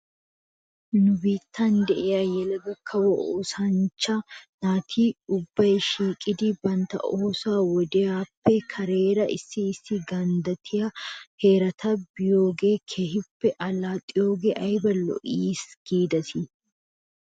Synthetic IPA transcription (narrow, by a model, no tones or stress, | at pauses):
nʊbiːt̪ʰːɐnd̪ɛʔɪjaːjɛlɐɡɐkʰːɐwɔʔo̰ːsɐnt͡ʃːɐnaːt̪ʰiːʊbːɐjʃiːkʼːɪd̪ɪbɐnt̪ɐ̰ʔoːsaːwɔd̪ɛjaːpːɛkʰɐɾeːɾɐʔɪ̰sːɪːsːɪɡɐnd̪ɐt̪ʰɪjɐhe̞ːɾɐt̪ʰɐbɪjo̞ːɡe̞ːkʰeːhɪpːɛʔɐlaːt̪ʼːɪjo̞ːɡeːʔɐjbɐlɔ̰ʔiːsɡ̥iːd̪ɐt̪ʰɪ